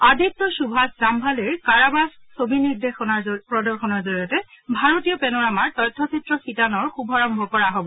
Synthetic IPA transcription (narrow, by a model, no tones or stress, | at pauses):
adʱik̚tɔsubʱaszambʱaleɹkaɹabassobʱiniɹdexɔnaɹpɹɔdɔɹxɔnɔɹzoɹijɔtɛ | bʱaɹotijɔpɛnɔɹamaɹtɔjtʰːɔsʰitɹɔxitanɔɹxubʱɔɹɔmbʱɔkɔɹaɦobɔ